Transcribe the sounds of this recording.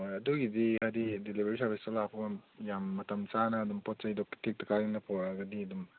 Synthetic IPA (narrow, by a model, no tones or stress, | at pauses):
jɐduɡidihajdidilibeɾisʰɐɾbʱistɐlapʰɐbɐjamːɐtɐmt͡ʃanɐːdumpɔt̚t͡ʃɐjdɔktʰik̚tɐkaɾiŋnɐpʰɔaɡɐdiɐdum